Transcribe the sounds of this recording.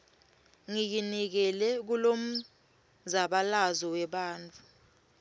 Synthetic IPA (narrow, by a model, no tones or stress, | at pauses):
ŋik̬inik̬ɛlɛk̬ulom̩ | zaɓalazɔwɛɓaːnt͡fʰʼu